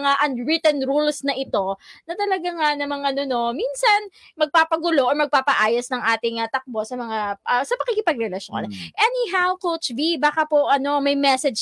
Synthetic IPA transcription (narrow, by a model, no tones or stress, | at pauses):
ŋaʔɐnɹɪt̪ɛnɾulsnɐʔɪt̪o̞nɐt̪ɐlɐɡaŋanɐmɐŋʔɐno̞no̞minsɐnmɐɡ̚paːpɐɡʊlo̞ʔɔɹmɐɡ̚paːpɐʔaːjɐsnɐŋʔaːt̪ɪŋɐt̪ɐk̚bo̞sɐmɐŋaʔɐsɐpɐ̥kiːkɪpɐɡ̚ɾɛlɐʃo̰nʔɛniɦawkot͡ʃvibaːkɐpoʔɐno̞mɐjmɛsɛd͡ʒ